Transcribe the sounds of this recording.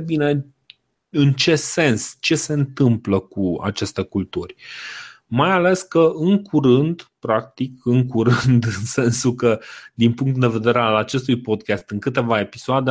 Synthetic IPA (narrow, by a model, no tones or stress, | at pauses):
bine | ɨnt͡ʃe̞se̞nst͡ʃe̞se̞ɨnt̪ɨmpləkua̰t͡ʃe̞st̪e̞kult̪urʲ | majale̞skəɨŋkʰuɾɨnd̪pɾak̚t̪ikɨŋkuɾɨnd̪ɨnse̞nsulkəd̪inpuŋkt̪d̪e̞ve̞d̪e̞ɾealat͡ʃe̞st̪ujpo̞d̪̚kʲast̪ɨŋkɨt̪e̞vae̞pisoad̪e